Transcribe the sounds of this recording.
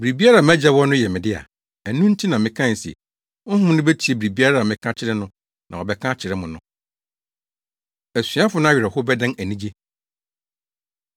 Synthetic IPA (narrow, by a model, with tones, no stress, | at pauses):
bɾi˨bi˦a˦ɾa˨m̃˦æ˦d͡ʑa˦wɔ˦nʊ̃˦jɛ˨mɪ̃˨dɪ˦a̰˨ | æ˨nũ˦n̩˦tʰi˦nã˨mɪ̃˨kʰã˦˨n̩˨sɛ̰˨ | ʊ̃˦ɦʊ̃˦m˦nʊ̃˦be˦tʰi˨e˦bɾi˨bi˦a˦ɾa˦˨a˨mɪ̃˨kʰã˦t͡ɕʰɪ˦ɾɛ˦nʊ̃˦ | nʔã˨ɔ˨bɛ˨kʰã˦t͡ɕʰɪ˨ɾɛ˦mʊ̃˨nʊ̰̃˦ | æ˨sĩ˨˦a˦fʊ˨˦nʊ̃˦a˦ɥɾɛ˨hʊ˦bɛ˦dã˦næ˨nĩ˦d͡ʑe˦